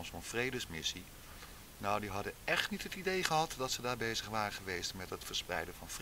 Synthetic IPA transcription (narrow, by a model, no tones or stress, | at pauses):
nsɔnvrejdəsmɪsi | nɔwdiɦɑdənɛχtnitɦətidejχəɦɑtdɑtsədaːɹbejzəχʋaːrəχəʋejstmɛtɦətfəɹsprɛ̰jdənvɑnvr